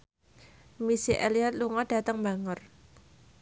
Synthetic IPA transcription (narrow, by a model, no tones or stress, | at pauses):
misiʔḛliat̪̚luŋɔd̥a̤t̪əŋbaŋər